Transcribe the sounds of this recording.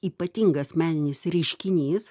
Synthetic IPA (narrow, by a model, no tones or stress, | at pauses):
iːpɐt̪ʲiŋɡɐsmʲæːnʲɪnʲɪsɾʲɛɪʃʲkʲɪnʲiːs